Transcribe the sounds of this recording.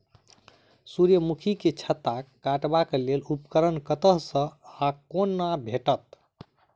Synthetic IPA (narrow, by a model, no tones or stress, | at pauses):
suɾjəmukʰiket͡ʃʰət̪akaʈbakelelupkəɾənkət̪əɦsə̃akonːabʱeʈət̪